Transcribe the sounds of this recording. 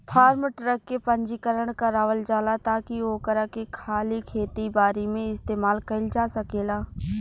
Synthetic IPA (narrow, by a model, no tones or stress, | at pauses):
pʰaːɾmʈɾəkːepɐ̃ɲd͡ʒikəɾəɽ̃kaɾaːʋəld͡ʒaːlat̪aːkioːkəɾakekʰaːlikʰeːt̪ibaːɾimẽɪst̪eːmaːlkɐɪld͡ʒaːsɐkeːlaː